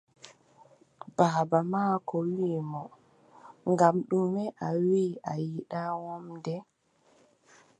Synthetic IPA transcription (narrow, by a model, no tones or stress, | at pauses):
baːbamaːkɔwiːmɔ | ŋɡamɗumɛʔawiajiɗawɔmdɛ